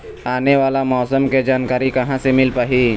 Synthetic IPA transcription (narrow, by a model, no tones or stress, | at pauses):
aːneʋaːlamɔːsəmked͡ʒaːnkaːɾikɐɦãsemɪlpaɦi